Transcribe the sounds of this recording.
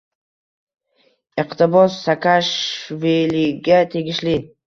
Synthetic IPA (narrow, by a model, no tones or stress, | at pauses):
iqt̪ʰɪbɒzːakʰaʃviliɡʲat̪ʰe̞ɡʲɪʃli